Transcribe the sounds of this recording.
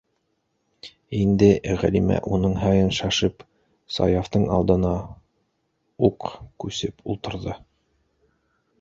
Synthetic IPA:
ind̪ɘʁæ̰limæ̰ʔunɤɴɦɑjɤnʃɑʃɤp | sɑ̰jaft̪ɤɴɑ̰lˠd̪ɤ̆nɑ | uqkʉsɘpulˠt̪ɤ̆ɾðɤ

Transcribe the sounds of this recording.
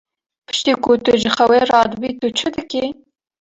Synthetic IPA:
pʰɨ̥ʃt̪iːkʊt̪ʊʒəxɐwerɑːd̪ɨbit̪ʊt͡ʃʰɨd̪ɨke

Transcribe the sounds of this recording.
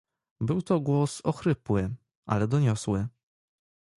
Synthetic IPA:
bɘwt̪ɔɡwɔsɔxɾɘpwɘ | ʔa̰lɛd̪ɔɲɔswɘ

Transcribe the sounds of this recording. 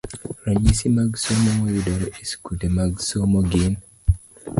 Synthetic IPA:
ɾaɲisimaɡsomomojudoɾɔʔiskutemaɡsomoɡin

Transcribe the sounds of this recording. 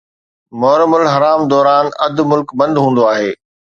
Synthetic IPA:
mɔːɾmʊlɦɐɾaːmd̪ɔːɾaːnɐd̪mʊlkbɐ̃nd̪ɦũːn̆d̪oaːɦeː

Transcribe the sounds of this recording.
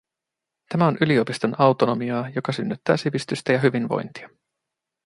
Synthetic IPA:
t̪æmæo̞nʔyliopist̪o̞nʔɑwt̪ono̞miɑːjo̞kɑsynːyt̪ːæ̰ːsiʋist̪yst̪æjɑɦyʋinʋo̞̰jnt̪iɑ

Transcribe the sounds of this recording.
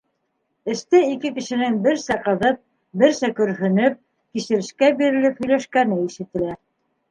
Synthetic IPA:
ɘ̆st̪ɘikɘkɘ̆ʃɘ̆nɘŋbɘɾsæqɤ̆ðɤp̚ | bɘɾsækɵ̆ɾɦɵ̆nɘp̚ | kiʃɘ̆ɾɘ̆ʃkæbiɾɘ̆lɘphɵ̆jlæʃkænɘiʃɘ̆t̪ɘ̆læ

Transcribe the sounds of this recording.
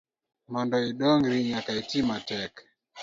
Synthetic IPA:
mɔndɔiɗɔŋɾiɲakaitimatɛk

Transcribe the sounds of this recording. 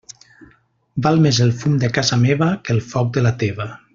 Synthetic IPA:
balˠmezelˠfumd̪əkazameβəkəlˠfɔk̚d̪əlat̪eβa

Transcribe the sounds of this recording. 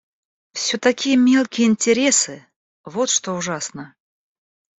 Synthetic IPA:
fsʲot̪ɐkʲijəmʲe̞lˠkʲɪjəɪnʲtʲɪɾʲesɨ | vot̪ʂt̪oʊʐasnə

